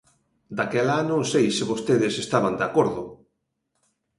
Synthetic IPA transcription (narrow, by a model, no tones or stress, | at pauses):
d̪akɛlanõŋsejsɪβost̪eðɪsest̪aβand̪eakoɾðʊ